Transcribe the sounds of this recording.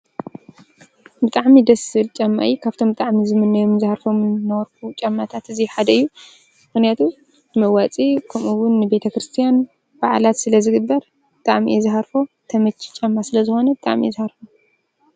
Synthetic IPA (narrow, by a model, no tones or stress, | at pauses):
bɨt̪ʼaʕmid̪ɐsɨlt͡ʃʼamːa̰ʔikʰaβt̪ʰo̞mbɨt̪ʼaʕmizɨmɨnːɐjomnzɨhaɾfo̞mnːɐwɾkut͡ʃʼɐmːat̪ʰat̪ɨziħad̪ɐɨjːu | mɨxnijat̪ʰu | nɨmɐwat͡sʼikʰɐmuwʊnːɨbe̞t̪ʰɐkɾɨst̪ʰijan | b̥aʕlat̪sɨlɐzɨɡɨbːɐɾ | bɨt̪ʼaʕmḭɛzɨɦaɾfo̞t̪ʰɐmɐt͡ʃʰːi̥t͡ʃʼɐmːasɨlɐzɨxo̞nɐbɨt̪ʼa̰ʕmizɨhaɾfo